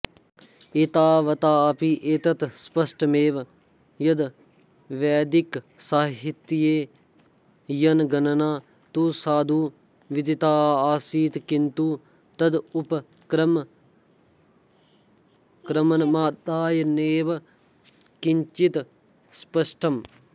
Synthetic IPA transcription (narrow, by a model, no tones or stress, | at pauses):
eːt̪aːʋɐt̪aːpiʔeːt̪ɐt̪spɐsʈɐmeːʋ | jɐd̪ | ʋɛːd̪ik | saːɦit̪ːijeː | jɐnɡɐnɐnaː | t̪usaːd̪ʱuː | ʋid̪it̪aːaːsiːt̪kint̪uː | t̪ɐd̪upɐ | kɾɐm | kɾɐmɐnɐmaːd̪aːjɐneːʋ | kiɲt͡ʃit̪ | spɐʂʈʰɐm